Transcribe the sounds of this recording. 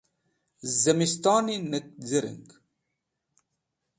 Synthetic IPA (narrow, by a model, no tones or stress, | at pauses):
zɐmist̪ɑːninɐk̚zɐɾḭŋɡ